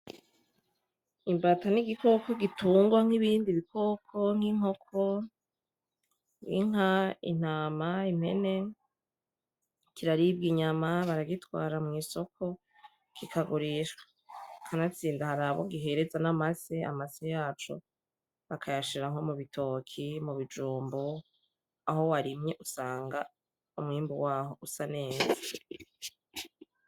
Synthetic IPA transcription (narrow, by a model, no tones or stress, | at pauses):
imbataniɡikʰo̞koɡituːŋɡwaŋ̥iβiːndiβikʰoːkʰo̞ŋ̥iŋo̞kʰo̞ | ŋḭŋaḭn̥aːmaim̥e̞̰ne̞ | kʰiɾaɾibɡiɲamaβaɾaɡitwaːɾamŋiːso̞kʰo̞ | kʰikʰaɡuɾiʃwḁ | kʰanat͡siːndahaɾaβoɡiɦe̞ɾe̞zanamasea̰masejaːt͡ʃo | βakʰajaʃiɾaŋo̞muβitʰo̞ːkʰimuβid͡ʒuːmbo | aɦo̞waɾimɲeʔusaːŋɡa | umŋiːmbuwaːho̞ʔusane̞ːza